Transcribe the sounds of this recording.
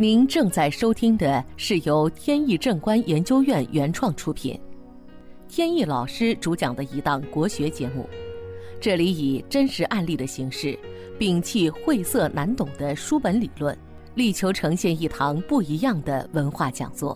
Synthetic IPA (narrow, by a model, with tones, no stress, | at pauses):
ni˧˥nʈ͡ʂɤ˥˧ŋt͡sa˥˩ɪʂo˥ʊt̪ʰi˥ŋd̪ə˨ʂɻ̩˥˩jo˧˥ʊt̪ʰjɛ˥ni˥˧ʈ͡ʂɤ˥˩ŋkwa˥njɛ˧˥nt͡ɕjo˥ʊjɥɛ˥˩nɥɛ˧˥nʈ͡ʂʰwɑ˥˩ŋʈ͡ʂʰu˥pʰḭ˨˩˦n | t̪ʰjɛ˥ni˥˩lɑ˨˩ʊʂɻ̩˥ʈ͡ʂu˧˥t͡ɕjɑ˨˩ŋd̪ə˦i˧˥t̪ɑ˥˩ŋkwɔ˧˥ɕɥɛ˧˥t͡ɕjɛ˧˥mṵ˥˩ʈ͡ʂɤ˥˩li˧˥i˨˩ʈ͡ʂə˥nʂɻ̩˧˥ʔa˥˧nli˥˩ɾə˩ɕi˧˥ŋʂɻ̩˥˩ | pi˥˩ŋt͡ɕʰi˥˧xwe˥˧ɪsɤ˥˩nʔa˧˥nt̪ʊ˨˩ŋd̪ə˦ʂu˥pə˧˥nli˨˩lwə˥˩n | li˥˩t͡ɕʰjo˧˥ʊʈ͡ʂʰɤ˧˥ŋɕjɛ˥˧ni˥˩t̪ʰɑ˧˥ŋpu˥˩i˧˥jɑ˥˩ŋd̪ə̰˩wə˧˥nxwa˥˩t͡ɕjɑ̰˨˩ŋt͡swɔ̰˥˩